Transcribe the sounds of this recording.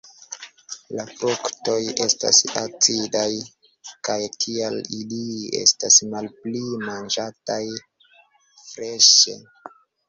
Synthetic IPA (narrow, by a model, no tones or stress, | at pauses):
lafukto̞je̞sta̰sat͡sidaj | kajtʰieliliḛstasmalplimand͡ʒataj | fɾe̞ʃḛ